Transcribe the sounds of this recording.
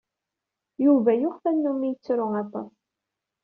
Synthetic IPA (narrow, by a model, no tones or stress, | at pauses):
juvæjʊχfænːumːijt͡sːɾʊæt̪ˤːɑ̰sˤ